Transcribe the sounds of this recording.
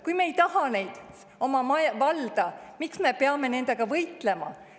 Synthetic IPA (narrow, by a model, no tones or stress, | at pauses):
kujmeːjt̪ɑɦɑne̞jd̪̥ | o̞mɑmɑjvɑld̪̥ɑmiksme̞peɑme̞ne̞nd̪̥e̞ɡ̥ɑvɤjt̪ˑle̞mɑ